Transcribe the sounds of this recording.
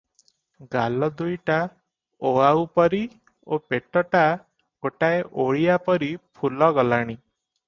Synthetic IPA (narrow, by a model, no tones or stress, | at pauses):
ɡalɔd̪ujʈa | oaupɔɾi | opeʈɔʈa | koʈaeʔoɭijapɔɾipʰulɔɡɔlaɽ̃i